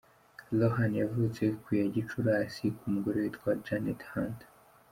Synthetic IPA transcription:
lohanjavut͡se̞kujaɟit͡ʃuɾaːsikumuɡoɾewitɡwad͡ʒanethand

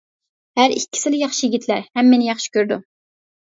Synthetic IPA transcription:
hæɾḭkʲːi̥sɪlɪjɑχʃijɪɡʲit̪ʰlæɾhɛmːenɪjɑχʃi̥kʲøɾd̪u

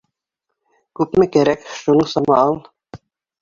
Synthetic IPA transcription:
kʉpmɘkæɾækʃunɤɴsɑmɑɑlˠ

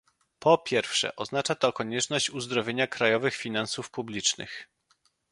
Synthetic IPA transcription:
pɔpʲjɛɾfʂɛ̰ʔɔznat͡ʂat̪ɔkɔɲɛt͡ʂnɔɕt͡ɕuzd̪ɾɔvʲjeɲakɾajɔvɘxfʲinansufpublʲit͡ʂnɘ̰x

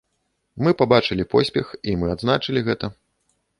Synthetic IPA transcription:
mɨpabat͡ʂɨlʲipɔsʲpʲɛximɨad̪znat͡ʂɨlʲiɣɛt̪ɐ

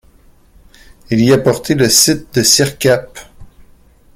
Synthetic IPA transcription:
iliapɔʁt̪eləsɪt̪̚d̪əsiʁkʲap

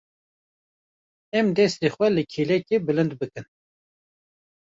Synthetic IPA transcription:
ɛmd̪ɛst̪exwʷɛlɨkʰiːlɛkebɨlɨnd̪bɨkɨn

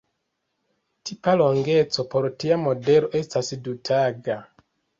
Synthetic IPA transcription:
tʰipalo̞ŋɡe̞t͡so̞po̞ɾtiamo̞de̞lo̞ʔe̞stasdutʰaɡa

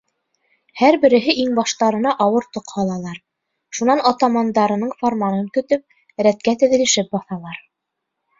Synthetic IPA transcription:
hæɾbɘ̆ɾɘ̆ɦɘʔiŋbɑʃt̪ɑɾɤ̆nɑʔɑwɤɾt̪ŏqhɑlˠɑlˠɑɾ | ʃunɑnɑt̪ɑmɑnd̪ɑɾɤ̆nɤɴformɑnɤŋkɵ̆t̪ɵp̚ | ɾæt̪kæt̪ɘ̆ðɘ̆lɘ̆ʃɘp̚bɑθɑlˠɑɾ

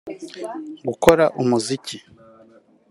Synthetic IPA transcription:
ɡuko̞ɾaʔumuzici

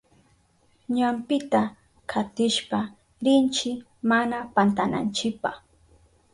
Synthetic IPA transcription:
ɲampɪt̪a | kʰat̪ɪʃpa | ɾɪnt͡ʃɪ | manapant̪ana̰nt͡ʃɪpaχ

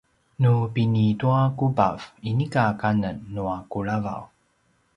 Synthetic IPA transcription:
nupinituakuba̰v̥inikakanənːuakuɭava̰w

